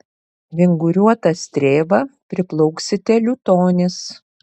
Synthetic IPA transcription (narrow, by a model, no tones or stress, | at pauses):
ʋʲɪŋɡʊɾʲuɔt̪ɐsʲt̪ʲɾʲeːbɐpʲɾʲɪplˠɔʊksʲɪt̪ʲɛlʲʊt̪oːnʲɪs